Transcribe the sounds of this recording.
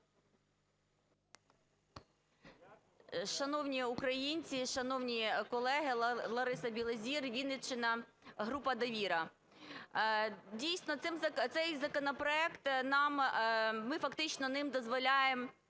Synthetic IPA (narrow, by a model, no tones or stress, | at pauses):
ʃɐnɔwnʲiukɾɐjinʲt͡sʲiʃɐnɔwnʲikɔlˠɛɦɪlˠɔɾɪsɐbʲilˠezʲirʋʲid̪nɪt͡ʃɪnɐɦɾupɐd̪ɐʋʲiɾɐ | dʲijsnɔt̪sɪmzɐt̪sɛjzɐkɔnɔpɾɔɛkt̪nɑmmɪfɐkt̪ɪt͡ʃnɔnɪmd̪ɔzʋɔlʲajem